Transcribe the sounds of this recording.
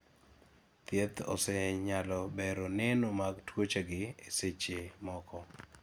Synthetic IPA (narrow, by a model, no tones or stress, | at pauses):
t̪jet̪ɔ̰sɛɲalɔbɛɾonɛnomaɡtwot͡ʃaɡɪeset͡ʃemɔkɔ